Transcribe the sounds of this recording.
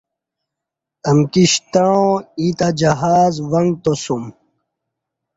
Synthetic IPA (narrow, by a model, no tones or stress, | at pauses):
ɐmkiɕt̪aõit̪ad͡ʑɐɦaːzwɐŋɡt̪osum